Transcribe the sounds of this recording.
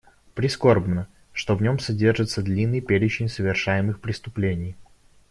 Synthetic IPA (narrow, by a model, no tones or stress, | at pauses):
pɾʲɪsko̞rbnə | ʂt̪o̞vnʲomsɐdʲe̞rʐɨt̪səd̪lʲinːɨjpʲeɾʲɪt͡ɕɪnʲsəvʲɪrʂajɪmɨxpɾʲɪst̪ʊplʲenʲɪj